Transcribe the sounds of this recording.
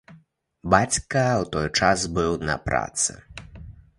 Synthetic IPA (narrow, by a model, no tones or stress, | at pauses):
bat͡sʲkɐwt̪ɔjt͡ʂazbɨwnɐ̰pɾa̰t̪sɨ̰